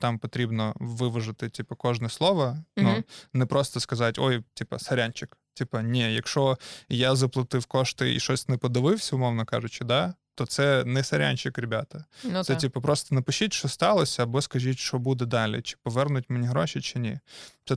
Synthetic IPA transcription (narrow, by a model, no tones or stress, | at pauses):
t̪ɑmpɔt̪ɾʲibnɔʋɪʋɔʒɪt̪ɪtʲipɐkɔʒnɛslˠɔʋɐnunɛpɾɔst̪ɔskɐzɑtʲɔjtʲipɐ̰sɐɾʲanʲt͡ʃɪktʲipɐnʲijɐkʃɔjazɐplˠɐt̪ɪwkɔʃt̪ɪḭʃɔsʲnɛpɔd̪ɪʋɪwsʲɐʊmɔwnɐkɑ̰ʒʊt͡ʃɪd̪at̪ɔt̪sɛnɛsɐɾʲa̰nʲt͡ʃɪkɾʲɪbʲa̰t̪ɐsɛtʲipɐpɾɔst̪ɔnɐpʊʃʲitʲʃɔst̪ɑlˠɔsʲɐːbɔskɐʒitʲʃɔbud̪ɛd̪ɑlʲḭt͡ʃɪ̥pɔʋɛrnʊtʲmenʲiɦɾɔʃʲɪt͡ʃɪnʲḭt͡s̪ɛ